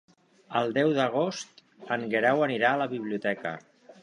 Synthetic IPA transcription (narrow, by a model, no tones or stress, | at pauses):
əlˠd̪ɛwðəɣ̞ost̪ | əŋɡeɾɛwəniɾaːləβiβ̞liut̪ɛkə̰